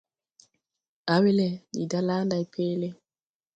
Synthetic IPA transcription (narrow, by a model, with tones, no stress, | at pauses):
a˨wi˦lɛ˨dḭ˨da˦laː˦nda˨jpʰeː˦lɛ˦